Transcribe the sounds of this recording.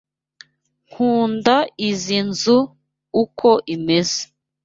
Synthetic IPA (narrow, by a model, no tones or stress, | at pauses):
ŋ̥uːndaizinzuː | kʰo̞ʔimeze̥